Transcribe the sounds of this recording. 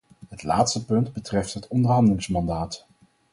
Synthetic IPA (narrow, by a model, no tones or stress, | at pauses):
ɦətla̰ːtstəpɵndbətrɛftɦətɔndəɹɦɑndəlɪŋsmɑndaːt